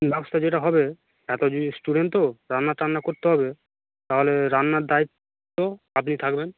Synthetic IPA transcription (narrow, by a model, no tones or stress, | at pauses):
bɛbost̪ʰad͡ʑeʈaɦɔbe | ɛt̪osʈuɖeɳʈoɾanːaʈɾanːakoɾt̪eɦɔbe | t̪aɦoleɾanːaɾd̪ait̪ː | o | ap̬nit̪ʰakben